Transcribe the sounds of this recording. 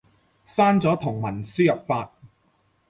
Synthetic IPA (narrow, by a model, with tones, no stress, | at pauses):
saː˥nt͡sɔː˨˥t̪ʰʊ˨˩ŋmɐ˨˩nsyː˥jɐ˨p̚faː˧t̚